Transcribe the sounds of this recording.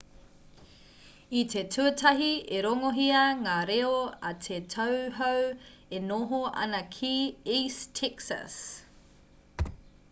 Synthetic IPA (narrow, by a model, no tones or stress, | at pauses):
itʰe̞tʰuɐtʰɐɦieɾoŋoɦiɐŋaːɾeoɐtʰetʰɐwɦɐwenoɦoɐ̰nɐkʰiistʰɛksɐ̰s